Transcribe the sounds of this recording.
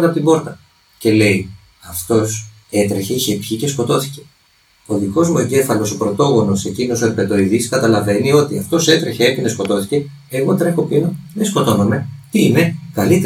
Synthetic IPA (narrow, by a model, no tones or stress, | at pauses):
neɐpot̪ibo̞ɾt̪ɐ | ce̞le̞i | ɐft̪o̞s | e̞t̪ɾeçe̞içepçice̞sko̞t̪o̞θi̥ce̞̥ | oðiko̞zmueɲɟe̞fɐlo̞so̞pɾo̞t̪o̞ɣo̞no̞sse̞cino̞soeɾpe̞t̪o̞iðiskɐt̪ɐlɐve̞nio̞t̪iɐft̪o̞se̞t̪ɾe̞çe̞epinesko̞t̪o̞θi̥ce̞ː | ɣo̞t̪ɾe̞xopinoðesko̞t̪o̞nome̞t̪iine̞kɐlit̪e